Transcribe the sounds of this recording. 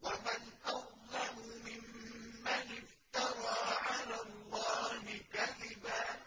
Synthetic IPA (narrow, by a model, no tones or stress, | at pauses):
wamanʔawlamʊmɪmːanɪft̪ɑɾˤɑːʕalalˤːɑːhɪkaðɪbaː